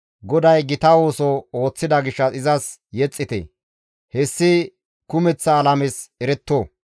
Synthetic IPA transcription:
ɡɔd̪ɐjɡɪt̪ɐwo̞ːsɔo̞ːt͡sːɪd̪ɐɡɪʃːɐɪzɐsjɛt͡sʼːɪt̪ɛ̰ | hɛsːɪ | kʊmɛt͡sːɐːlɐmesɛɾɛt̪ːoː

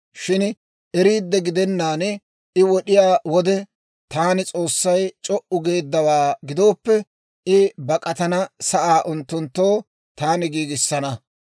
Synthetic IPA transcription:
ʃɪn | ɛɾiːd̪ːɛɡɪd̪ɛnːaːn | ɪwɔɗɪjaːwɔd̪ɛ | t̪aːnɪt͡sʼo̞ːsːɐjt͡ʃʼɔʔʊɡe̞ːd̪ːɐwaːɡɪd̪o̞ːpːɛ | ɪbɐkʼɐt̪ɐnɐsɐʔaːʔʊnt̪ːʊnt̪ːoː | t̪aːnɪɡiːɡɪsːɐnɐ

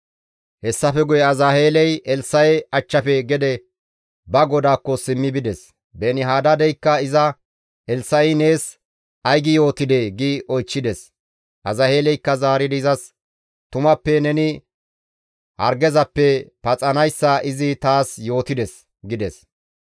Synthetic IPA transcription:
hɛsːɐfɛɡʊjɛɐzahe̞ːlɛjɛlsːɐjɛɐt͡ʃːɐpɛɡɛd̪ɛ | bɐɡɔd̪aːkːɔsɪmːɪbɪd̪ɛs | bɛːnɪɦaːd̪ɐd̪ɛjkːɐɪzɐ | ʔɛlsɐjne̞ːs | ʔɐjɡɪjo̞ːt̪ɪd̪eɡɪʔɔjt͡ʃːɪd̪ɛs | ʔɐzɐhe̞ːlɛjkːɐzaːɾɪd̪ɪzɐs | t̪ʊmɐpːɛnɛnɪ | hɐ̰ɾɡɛzɐpːɛpɐt͡sʼɐnɐjsːɐɪzɪt̪aːsjo̞ːt̪ɪd̪ɛs | ɡɪd̪ɛs

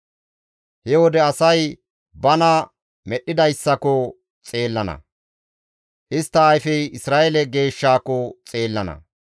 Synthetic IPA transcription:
hɛwɔd̪ɛɐsɐj | bɐnɐ | mɛɗːɪd̪ɐjsːɐkɔ | t͡sʼe̞ːlːɐnɐ̰ | hɪst̪ːɐːjfɛjɪsɾaːʔɛlɛɡe̞ːʃːaːkɔt͡sʼeːlːɐnɐ̰

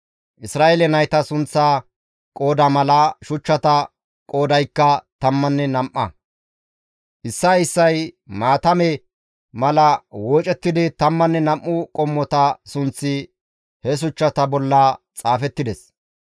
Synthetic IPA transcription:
ʔɪsɾaːʔelɛnɐjt̪ɐsʊnt͡sːaː | kʼo̞ːd̪ɐmɐlɐʃʊt͡ʃːɐt̪ɐ | kʼo̞ːd̪ɐjkːɐt̪ɐmːɐnːɛnɐmʔːɐ̰ | ʔɪsːɐɪsːɐjmaːt̪ɐmɛ | mɐlɐwoːt͡ʃʼɛt̪ːɪd̪ɪt̪ɐmːɐnːɛnɐmʔːʊkʼɔmːɔt̪ɐsʊnt͡sːɪ | hɛs̬ʊt͡ʃːɐt̪ɐbɔlːɐt͡sʼaːfɛt̪ːɪd̪ɛs

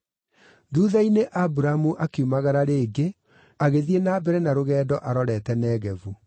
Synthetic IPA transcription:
ðuːðaineʔabuɾamuʔakeumaɣaɾaɾeːɡe | aɣeðienaːbɛɾɛnaɾoɣɛːdɔʔaɾɔɾɛtɛnɛːɣɛvu

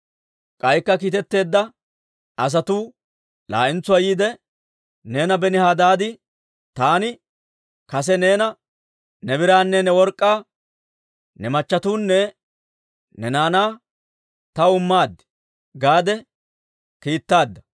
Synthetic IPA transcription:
kʼɐjkːɐkiːt̪ɛt̪ːe̞ːd̪ːɐ | ɐs̬ɐt̪uː | la̰ːʔɪnt͡sʊɐjiːd̪ɛ | ne̞ːnɐbɛnɪhaːd̪aːd̪ɪ | t̪aːnɪ | kɐs̬ɛne̞ːnɐ | nɛbɪɾaːnːɛnɛwɔɾkʼːaː | nɛmɐt͡ʃːɐt̪uːnːɛ | nɛnaːnaː | t̪ɐʊmːaːd̪ːɪ̥ | ɡaːd̪ɛ | kiːt̪ːaːd̪ːɐ

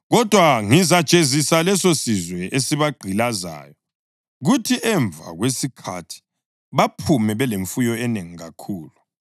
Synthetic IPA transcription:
ɣɔd̥ʱwaŋizḁt͡ʃʼezisalɛsosizwɛʔesiβaɡ͡ǃʱilaza̰ːjɔ | ɣutʰiʔɛɱbvʱa̰ɣwesikʰa̰tʰi̥ | βapʰumɛβɛleɱfujɔɛneŋiɣakʰuːlu

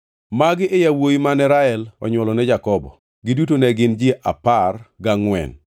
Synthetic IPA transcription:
maɡɪʔɪjawojimanɛɾaɛlɔ̰ɲwɔlɔnɛd͡ʒakɔbɔ̰ | ɡɪdutonɛɡɪnd͡ʒeʔaparɡaŋwɛ̰n

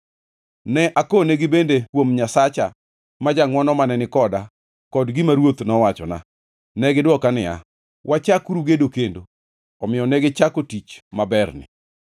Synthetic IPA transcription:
nɛʔakoneɡɪbendekwomɲasat͡ʃa | mad͡ʒaŋwɔnɔmanɛnɪkɔda | kɔdɡɪmaɾwot̪nɔwat͡ʃɔna̰ | nɛɡɪdwɔkanɪa̰ | wʔat͡ʃakuɾuɡedokendo | ɔmɪjɔnɛɡɪt͡ʃakotit͡ʃmabɛrnɪ̰

